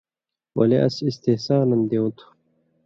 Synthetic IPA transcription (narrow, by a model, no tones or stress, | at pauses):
wɐ̰leʔɐ̰sist̪ehsaːnɐnd̪eut̪ʰu̥